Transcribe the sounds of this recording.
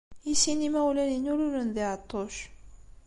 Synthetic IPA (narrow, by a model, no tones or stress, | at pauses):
iɕinimauleniɲoɾɯnɯnd̪eat̪oʃ